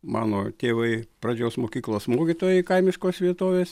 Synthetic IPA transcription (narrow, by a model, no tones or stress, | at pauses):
mɑ̰ːnoːt̪ʲeːʋɐɪpɾɐd͡ʒʲoːsmoːkʲiːklˠoːsmoːkʲit̪oːjɛɪkɐɪmʲɪʃkoːsʋʲiɛt̪oːʋʲeːs